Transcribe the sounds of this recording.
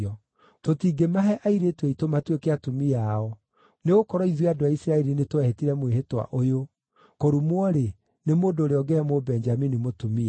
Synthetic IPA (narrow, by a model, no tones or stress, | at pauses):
ɔ | totiːɡemaɦɛʔaiɾetweitomatwekeatumiaɔ | neɣokɔɾɔiðweadoaisiɾaɛɾinetwɛhetiɾɛmweɦetwa̰ʔojo | koɾumwɔɾe | nemoːndoːɾeɔɡeɾɛmobɛnd͡ʒaminimotumi